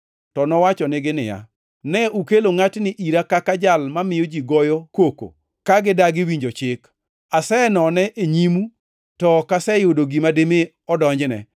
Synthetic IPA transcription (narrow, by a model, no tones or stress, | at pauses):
tɔnɔwat͡ʃɔnɪɡɪnɪ̰ja̰ | nɛukeloŋatnɪʔiɾakakad͡ʒalmamɪjod͡ʒiɡɔjɔkoko̰ | kaɡɪdaɡɪwiɲd͡ʒot͡ʃɪk | asɛnɔnɛʔeɲimu | tɔkasɛjodoɡimademe | ɔdɔɲd͡ʒnɛ̰